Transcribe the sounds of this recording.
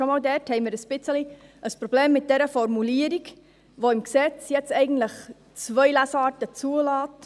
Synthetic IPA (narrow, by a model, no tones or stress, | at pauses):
ʃomɑːldɛthɛɪməɾəsb̥ɪt͡səliʔəspɾɔb̥leːmːɪt̚d̥ɛɾəfɔɾmuliəɾik | ʋoɪmksɛt͡sjɛt͡stɛɪɡən̩tləχ | t͡svœɪlæsɑːtət͡suəlɑːt